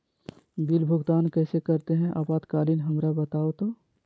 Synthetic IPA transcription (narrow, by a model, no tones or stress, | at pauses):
d̪ɪlbʱʊɡt̪aːnkɛːsekɐɾt̪eɦɛ̃ʔa̰ːbaːd̪kaːlinɦɐmɾabət̪aːot̪oː